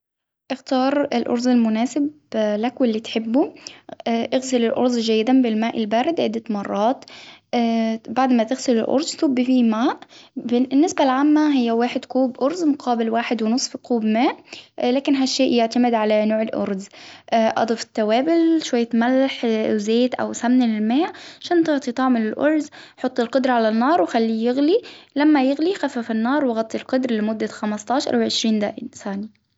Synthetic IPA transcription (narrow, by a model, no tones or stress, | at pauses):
ʔɪxt̪ɑːɾˤɪlʔo̰ɾˤzɪlmʊnæːsɪb | lækwelːiːt̪ħebːu | ʔɪɣsɪlɪlʔo̰ɾˤzʒæjːɪd̪ænbɪlmæːʔɪlbæːɾɪd̪ʕed̪ːæmɑrˤːɑːt̪ː | baʕd̪mæt̪ɪɣsɪlɪlʔo̰ɾˤzt̪uːbːfiːmaːʔbɪnːɪsbælʕaːmːæɦɪjːæwaːħed̪kuːbʔoɾˤzmʊqʰɑːbɪlwaːħed̪wɪnɨsˤfkuːbmæːʔlæːkɪnɦaʃːeːʔjɪʕt̪amɪd̪ʕalanoːʕɪlʔʊ̰ɾˤzʔʔɑ̰d̪ˤɑfɪ̥t̪ːawæːbɪlʃwajːat̪malːaħzeːt̪ʔa̰wsamnɪlɪlmaːʕʕaʃæːnt̪ɑʕt̪ˤit̪ˤɑʕmɪnɪlʔʊɾˤzħot̪ˤːɪlqʊd̪ɾˤɑʕalanːɑːɾˤwɪxalːijɪɣlilamːajɪɣlixafafɪnːɑːɾˤwɪɣɑt̪ˤːilqɑd̪ɾlɪmʊd̪ːaxamɑst̪ˤɑːʃɑ̰ɾˤɑwʕɪʃɾiːnd̪a̰ːʔɪnsaːni